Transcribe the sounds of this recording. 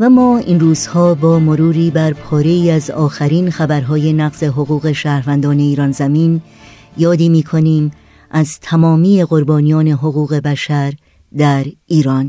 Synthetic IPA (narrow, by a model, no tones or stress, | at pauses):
væmɒːinruːz̥hɒːbɒːmo̞ɾuːɾiːbæɾpʰɒːɾe̞iːæzɒːxæɾiːnxæbæɾɦɒːjenæɣze̞ɦo̞ɣuːɣe̞ʃæːɾvænd̪ɒːne̞iːɾɒːnzæmiːn | jɒːd̪iːmiːkʰo̞niːm | ʔæzt̪ʰæmɒːmiːe̞ɣo̞ɾbɒːnijɒːne̞ɦo̞ɣuːɣe̞bæʃæɾ | d̪æɾiːɾɒːn